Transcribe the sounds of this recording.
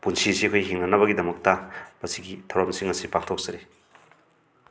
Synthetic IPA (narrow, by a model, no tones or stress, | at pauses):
punsisiɐkʰojɦiŋnɐnɐβɐɡidɐmɐk̚tɐmɐsiɡitʰawɾamsiŋɐsipaŋtʰok̚z̥ɐɾi